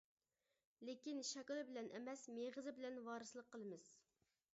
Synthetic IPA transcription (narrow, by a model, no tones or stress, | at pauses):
lekʲinʃɛkʲlˠbɪlɛnʔɛmɛsmeʁəzɪbɪlɛnwɑːɾɨsɨlˠəqʰːəlˠɨmɨz̥